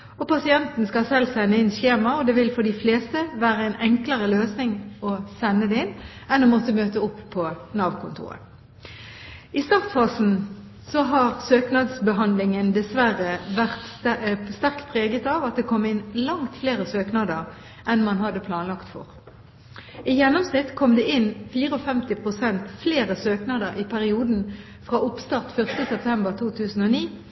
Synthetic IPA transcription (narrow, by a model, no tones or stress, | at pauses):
ɔpʰɑsɪɛnt̪n̩skɑsɛlsɛnːəɪnçeːmɑɔd̪ɛːʋɪlfɔɖ̪ɪfleːst̪əʋæːʁəɛɪnɛŋkləʁəløːsnɪŋɔsɛnːəd̪ɛːɪnːɛnɔmɔt̪əmøːt̪əʊpʰːɔnɑːʋkʰʊnt̪ʰṵːʁə̰ | ɪst̪ɑːʁt̪fɑːsn̩ | sɔɦɑːʁsøːknɑd̪sbəɦɑnd̪lɪŋənd̪ɛsʋæʁəʋæʁt̪st̪æʁkt̪̚pʰʁeːɡət̪ɑʋɑt̪̚d̪eːkʰɔmːɪnlɑŋt̪fleːʁəsøːknɑd̪əʁ | ʔɛnmɑnhɑd̪ːəpʰlɑːnlɑkt̪fɔ̰ʁ | ɪjɛnːɔmsnɪt̪ːkʰɔmd̪eːʔɪnfiːʁəɔfɛmt̪ɪpʰʁʊsɛnt̪fleːʁəsøːknɑd̪əʁʔɪpʰæʁɪuːd̪n̩ | fʁɑːʊpst̪ɑʁt̪fœʁst̪əsɛp̚t̪ʰɛmbəʁt̪ʰuːt̪ʰʉːsn̩ɔniː